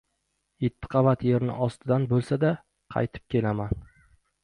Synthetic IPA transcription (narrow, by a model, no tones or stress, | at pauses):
jet̪ʰːɪ̥qʰɑvat̪je̞ɾnɪ̰ʔɒst̪ʰɪd̪anbolˠsad̪a | qʰɑ̰jt̪ʰɪ̥p̚kʲʰe̞laman